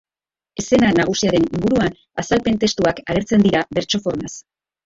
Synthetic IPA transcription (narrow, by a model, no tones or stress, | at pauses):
e̞se̞nanaɣ̞usiaɾe̞niŋɡuɾuan | asalpe̞nt̪e̞st̪uakale̞ɾt͡se̞nd̪iɾaβe̞ɾt͡ʃo̞fo̞ɾmas